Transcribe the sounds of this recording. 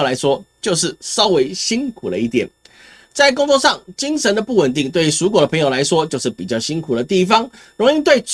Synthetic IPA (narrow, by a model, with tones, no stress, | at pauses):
la˧˥ɪʂwɔ˥t͡ɕjo˥˧ʊʂ̬ɻ̩˥˩sɑ˥ʊwe˧˥ɪɕi˥nkʰu˨˩lə˦i˥˩t̪jɛ˨˩˦n | t͡sa˥˩ɪk̬ʊ˥ŋt͡swɔ˥˧ʂɑ˥˩ŋt͡ɕi˥ŋʂə˧˥nd̪ə˧pu˥˩wə˨˩nt̪̬i˥˧ŋt̪we˥˩ɪ˩su˧˥k̬wɔ˨˩d̪ə˩pʰə˧ŋjo˨˩la˧˥ɪʂwɔ˥t͡ɕjo˥˧ʊʂɻ̩˥˩pi˨˩t͡ɕjɑ˥˩ʊɕi˥nkʰu˨˩də˦t̪i˥˩fɑ˥˦ŋ | ɻo˧˥ŋi˥˧t̪we˥˩ɪʈ͡ʂ